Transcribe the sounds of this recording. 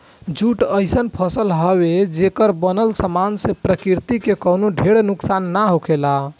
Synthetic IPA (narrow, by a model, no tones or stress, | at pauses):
d͡ʒuʈəɪsənpʰəsəlɦəbed͡ʒekəɾbənəlsəmansepɾəkiɾt̪ikekəwnoɖʱeɽnuksanːaɦokʰela